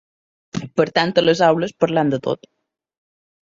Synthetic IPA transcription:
pəɾt̪ant̪ələzawləspəɾland̪ət̪o̰t̪

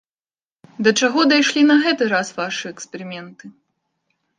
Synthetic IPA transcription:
d̪ɐt͡ʂaɣɔd̪ajʂlʲinɐɣɛt̪ɨɾasvaʂɨɛkspʲɛɾɨmʲɛnt̪ɨ

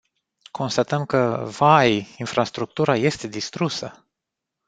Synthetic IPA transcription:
kʰo̞nst̪at̪əmkəvajinfɾast̪ɾuk̚t̪uɾaje̞st̪e̞d̪ist̪ɾusə

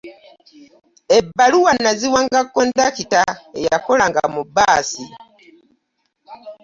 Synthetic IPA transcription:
ebːaluwanaziwaŋɡakːondakitaejakolaŋɡa̰mubaːsi

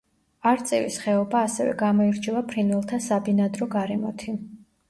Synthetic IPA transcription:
aɾt̪sʼḭvḭsχɛɔbaːsɛ̰vɛ̰ɡamɔiɾt͡ʃʰɛvapʰɾinwɛlˠt̪ʰasabinad̪ɾɔɡaɾɛmɔt̪ʰi

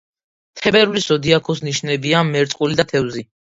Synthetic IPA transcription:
t̪ʰɛbɛɾulisɔd̪iakʰɔsniʃnɛbiamɛɾt̪sʼqʼulid̪at̪ʰɛvzi

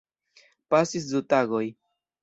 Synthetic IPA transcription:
pasis̬dutaɡo̞j

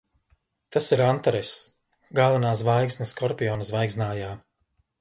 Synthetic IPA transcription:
t̪asiɾant̪aɾɛs | ɡalˠvanaːs̬vajɡsnɐskɔɾpʲijɔːnsvajɡznaːjaː

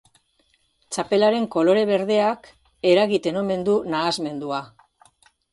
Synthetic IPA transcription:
t͡ʃape̞laɾe̞ŋko̞lo̞ɾe̞β̞e̞ɾðe̞ak | e̞ɾaɣit̪e̞no̞me̞nd̪unaːzme̞nd̪ua

